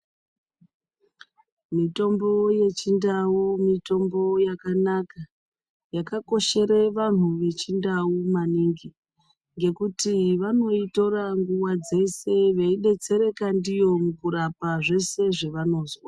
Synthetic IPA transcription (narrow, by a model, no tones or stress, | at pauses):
mito̞mbo̞je̞t͡ʃindawumito̞mbo̞jakanaka | jakako̞ʃe̞ɾeʋan̤uʋe̞t͡ʃindaumaniŋɡi | ŋɡe̞kutiʋano̞ito̞ɾaŋɡuwad͡ze̞se̞ʋeiɗe̞t͡se̞ɾe̞kandijo̞mukuɾapaʐe̞se̞ʐe̞ʋano̞zwa